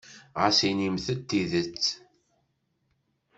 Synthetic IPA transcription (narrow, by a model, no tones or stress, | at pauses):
ʁasinimθət̪ːiðət͡sː